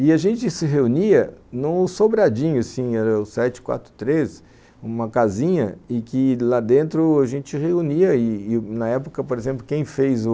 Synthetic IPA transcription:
ɪaʒẽnt͡ʃɪsɪɦeuniɐnʊsobɾad͡ʒĩɲʊsĩɛɾɐʊsɛt͡ʃɪ̥kwa̰t̪ɾʊ̥t̪ɾes | ũmɐkazĩɲɐ̰ɪkɪlad̪ẽnt̪ɾʊaʒẽnt͡ʃɪheuniɐɪːnɐɛpʊkɐpoɾezẽmp̬lʊkẽj̃fejzʊ

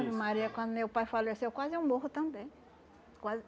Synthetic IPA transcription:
bimaɾiɛkɐ̃nd̪ʊmewpajfalesewkwaziũboɦut̪ɐ̃mbẽ | kwaz

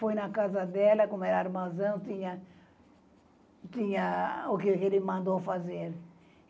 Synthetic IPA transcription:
fojnɐkazɐd̪ɛlɐkõmʊɛɾɐaɾmazɐ̃w̃t̪ĩɲɐ | t̪ĩɲɐʊkɪkelɪmɐ̃nd̪ofazeɾ

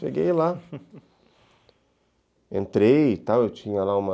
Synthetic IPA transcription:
ʃḛɡejla | ẽnt̪ɾejt̪awewt͡ʃĩɲɐlaũmɐ

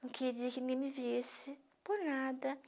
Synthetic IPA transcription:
ũkʰeɾikinĩɡẽmiviesɪ | pʊɾnad̪ɐ

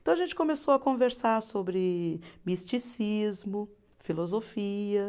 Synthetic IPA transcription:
t̪ɐ̃w̃ɐʒẽnt͡ʃɪ̥kõmesowɐkõveɾsaɾsobɾɪmist͡ʃisizmʊ | filozofiɐ

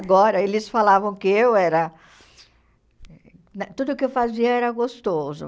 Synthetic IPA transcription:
ɡɔɾɐelɪsfalavɐ̃w̃kɪewɛɾɐ | nɐt̪ud̪ʊkɪewfaziɐɛɾɐɡost̪ozʊ̰

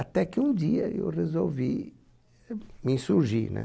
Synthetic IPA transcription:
at̪ɛkɪũd̪iɐ̰ḛwrezowvi | mĩsuɾʒinɛ̰

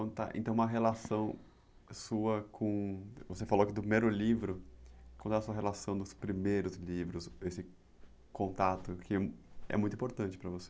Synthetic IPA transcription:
kwɐ̃nd̪ʊt̪a̰ʔḛ̃nt̪ɐ̃w̃ũmɐɦelasɐ̃w̃ | suɐkʰõvosefaloɐkɪd̪pɾimejɾʊlivɾʊkʷwɐ̃d̪ʊɛaɐsuɐɦelasɐ̃w̃d̪ʊspɾimejɾʊzlivɾʊsesɪ | kõnt̪at̪ʊkɪɛ̰mũt̪ĩpoɾt̪ɐ̃nt͡ʃɪ̥pɾɐvose

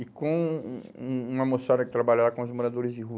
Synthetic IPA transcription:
ɪkõ | ũũamosfaɾɐkɪ̥t̪ɾabaʎaɾakõʊzmoɾad̪oɾɪzd͡ʒɪɦu

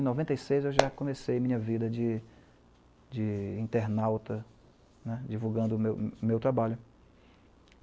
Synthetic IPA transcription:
nɔvẽnt̪ejsejzewʒakõmesejɐmĩɲɐvid̪ɐd͡ʒɪ | d͡ʒɪĩnt̪eɾnawt̪ɐ | nɛd͡ʒivuɡɐ̃nd̪ʊmewmewt̪ɾabaʎʊ

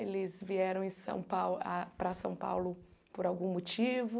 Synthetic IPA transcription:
elɪzviɛɾɐ̃w̃ẽsɐ̰̃w̃pawapɾɐsɐ̰̃w̃pa̰wlʊpoɾawɡũmot͡ʃivʊ

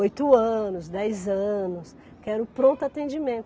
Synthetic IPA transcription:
ojt̪ʊɐ̃nʊsd̪ɛjzɐ̃nʊs | kɛɾʊpɾõnt̪ʊat̪ẽnd͡ʒimẽnt̪ʊ

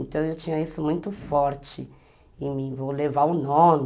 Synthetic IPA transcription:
nt̪ɐ̃w̃ewt͡ʃĩɲɐisʊmũj̃t̪ʊfɔɾt͡ʃɪ | ẽmĩvowlevaʊnõm

